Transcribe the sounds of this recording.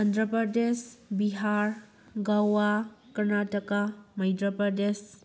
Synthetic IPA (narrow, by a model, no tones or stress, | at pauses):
ɐndɾɐpɾɐdesbiɦaɾ | ɡawakɐɾnatɐkamɐjdɾɐpɾɐdes